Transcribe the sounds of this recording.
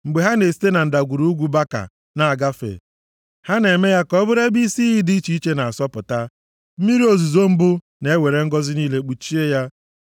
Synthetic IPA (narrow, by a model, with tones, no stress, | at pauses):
ŋ͡m̩˨ɡ͡be˨ɦa˦ne˨si̥˦te˦na˨n̩˨da˨ɡʷu˨ɾu˦u˦ɡʷu˦ba˦ka̰˨ | na˨a˨ɡa˦fḛ˨ | ha˦ne˨me˦ja˦kɔ˦bʊ˦ɾe˦bi˦si˦i˦di˦i˦t͡ʃi˦i˦t͡ʃe˦na˨a˨sɔ˦pʊ˨ta˦ | m̩˦mi˦ɾi˦o˨zu˨zo˦m̩˦bʊ˦ | ne˨e˦we˨ɾe˦ŋ̩˦ɡɔ˦zɪ˦niː˦le˦k͡pu˨t͡ʃi˦e˦ja˦